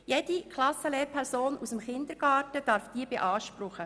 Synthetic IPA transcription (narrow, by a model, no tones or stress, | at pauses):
jɛd̥ikʰlɑsəleːɾpʰɛɾsoːnusəmχɪnd̪əɾɡ̥ɑːtəd̥ɑːɾfd̥iːbeʔɑːʃpɾʊχə